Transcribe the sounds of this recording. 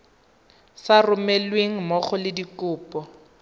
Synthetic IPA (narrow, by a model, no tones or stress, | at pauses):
sarʊmɛlweŋ̩mɔχɔlɪdikʊːpɔ